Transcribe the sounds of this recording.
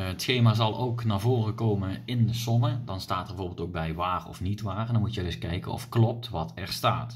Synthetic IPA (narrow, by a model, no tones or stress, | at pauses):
ətsxejmaːzɑlˠowknaːvoːrəkowmənɪndəzɔnədɑnstaːtbvoːɹbɪlˠtoːɡ̚bɛjʋaːrəɔ̰fnitʋaːrəndɑnmutjədɵskɛjkə̰nɔ̰fklɔp̚tʋɑtʰɛɹstaːt